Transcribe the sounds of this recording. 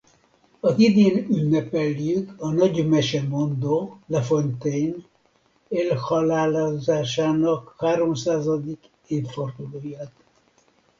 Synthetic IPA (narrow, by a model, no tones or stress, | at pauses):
ɒzid̪eːnynːɛpɛlːjykɒnɒɟmɛʃɛmo̞nd̪oːlɛfont̪ɛjn | elhɒlaːlazaːʃaːnɒkhaːɾo̞msaːzɒd̪ik | eːfford̪uloːjaːt̪